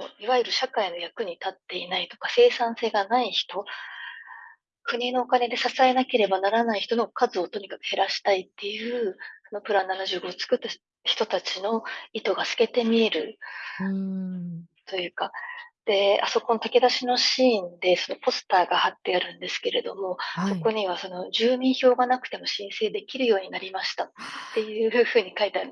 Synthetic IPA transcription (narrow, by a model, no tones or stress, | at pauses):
oiβaiɾɯ̟ɕakaino̞jakɯ̟ɲ̟it̪at̪ːe̞inait̪o̞̥kase̞ːsãɰ̃se̞ːɡanaiçi̥t̪o̞ | kɯ̟ɲ̟ino̞ːkane̞d̪e̞sasae̞nake̞ɾe̞banaɾanaiçi̥t̪o̞no̞kazɨo̞t̪o̞ɲ̟ikḁkɯ̟̥he̞ɾaɕi̥t̪ait̪ːe̞jɯ̟ːso̞no̞pɯ̟ɾananaʑɨːɡo̞ːt͡sɨ̥kɯ̟t̪ːa | çi̥t̪o̞t̪at͡ɕino̞it̪o̞ɡasɨ̥ke̞t̪e̞mʲie̞ɾɯ̟̰ | t̪o̞jɯ̟ːkad̪̥e̞a̰so̞ko̞no̞t̪ake̞d̪aɕino̞ɕiːnd̪e̞so̞no̞po̞sɨ̥t̪aːɡahat̪ːe̞aɾɯ̟̃nd̪e̞sɨ̥ke̞ɾe̞d̪o̞mo̞so̞ko̞ɲ̟iβ̞aso̞no̞d͡ʑɨːmʲĩɰ̃ço̞ːɡanakɯ̟̥t̪e̞mo̞ɕĩɰ̃se̞ːd̪e̞kʲiɾɯ̟jo̞ːɲ̟inaɾʲimaɕi̥t̪aːe̞jɯ̟ːɸɯ̟ːɲ̟ikait̪eaɾɯ